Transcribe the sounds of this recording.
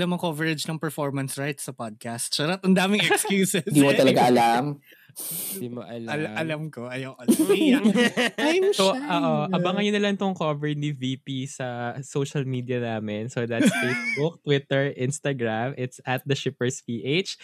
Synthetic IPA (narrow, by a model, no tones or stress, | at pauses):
lɐmɐkovɛɹɛd͡ʒnɐŋpɛɹfoɹmɐnsɹajt̪sɐpad̪̚kast̪sɐɾɐt̪ɐnd̪aːmɪŋɛkskjuːsɛd̪iːmot̪ɐlɐɡaʔɐlam | d̪iːmoʔɐlɐʔɐlɐmkoʔɐjɐwʔɐ | soʔoʔoʔɐbɐŋɐɲonɐlɐnɪt̪oŋkovɛɹniviːpisɐsoːʃɐlmid̪ijɐnaːmɛnsod̪ɐt̪sfejsbʊk̚t̪wɪt̪ɛɹʔɪnst̪ɐɡɹamʔɪt̪sʔɐt̪̚d̪ɐʃɪpɛɹspiːʔet͡ʃ